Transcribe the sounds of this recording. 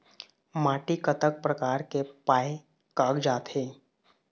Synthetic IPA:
maːʈikət̪ək̚pɾəkaːɾkepaːe | kaːɡd͡ʒaːt̪ɦeː

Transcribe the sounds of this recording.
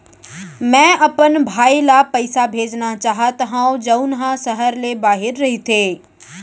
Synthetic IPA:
mɛ̃ːɐpənbʱaːilapɐɪsabʱeːd͡ʒnat͡ʃaːɦat̪ɐɦãːõd͡ʒɐʊnɦãsɐɦəɾlebaːɦɪɾːɐɦit̪ʰeː

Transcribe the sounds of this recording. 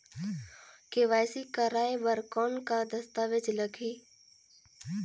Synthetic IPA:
keʋaːsikaɾaːjebəɾkɔːnkad̪ɐst̪aːʋed͡ʒləɡʰʱiː

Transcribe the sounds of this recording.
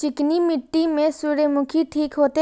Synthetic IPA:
t͡ʃɪknimɪʈːimẽsuːɽemʊkʰiʈʰiːkɦoːt̪e

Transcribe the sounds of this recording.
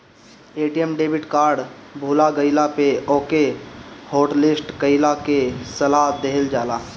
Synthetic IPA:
eːʈijemɖeːbʱɪʈkaːɾɖbʱuːlaɡəɪlapeɔːkehoːʈlɪsʈɡəɪlakesəlaɦd̪eɦld͡ʒaːlaː

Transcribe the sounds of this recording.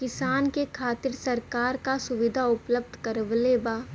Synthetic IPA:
kɪsaːnkekʰaːt̪ɪɾsɐɾkaːɾkasʊʋɪd̪ʱaʊpləb̚d̪ʱkɐɾəʋleːbaː

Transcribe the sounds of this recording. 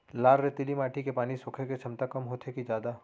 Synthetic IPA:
laːɾɾet̪ɪlimaːʈʰikepaːnisʊːkʰeket͡ʃʰɐmt̪akɐmɦoːt̪ʰekid͡ʒaːd̪aː

